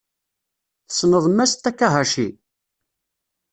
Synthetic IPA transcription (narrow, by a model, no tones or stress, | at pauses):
θə̥snəðˤmæst̪ːækːaɦaʃi